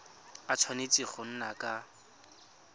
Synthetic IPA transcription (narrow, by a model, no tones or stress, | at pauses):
at͡sʰwanet͡sʼiχʊn̩nakʼa